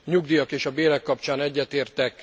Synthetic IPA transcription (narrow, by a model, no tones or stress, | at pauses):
ɲuɡd̪ijɒkeːʃɒbeːɾɛkːɒp̚t͡ʃaːnɛɟːɛt̪eːrt̪ɛk